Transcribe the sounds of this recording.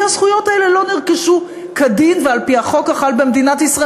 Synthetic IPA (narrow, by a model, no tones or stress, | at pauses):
asχujo̞taele̞lo̞niʁkeʃu | kadinvealpiaχo̞kaχalbemed̪inatisʁa